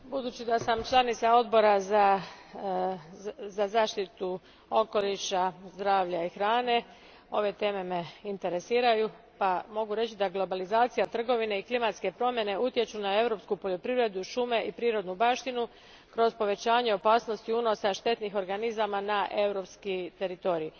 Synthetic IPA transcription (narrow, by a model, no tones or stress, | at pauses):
bud̪uːt͡ɕid̪asamt͡ʃlˠanit̪sao̞d̪bo̞ɾaza | zazaːʃt̪it̪u | o̞ko̞liʃazd̪ɾaːʋʎaixɾaːne̞ | o̞ʋe̞t̪e̞ːme̞me̞int̪e̞ɾe̞siːɾaju | pamo̞ɡuɾe̞t͡ɕid̪aɡlˠo̞balizaːt̪sijat̪r̩ɡo̞ʋine̞iklimat̪ske̞pɾo̞mje̞ne̞ut̪je̞t͡ɕunae̞vɾo̞pskupo̞ʎo̞pɾivɾe̞d̪uʃume̞ʔipɾiːɾo̞d̪nubaːʃt̪inu | kɾo̞zpo̞ʋe̞t͡ɕaːɲe̞o̞paːsno̞st̪iuno̞saʃt̪e̞t̪nixo̞ɾɡanizamanaʔe̞wɾo̞pskit̪e̞ɾit̪o̞ɾiː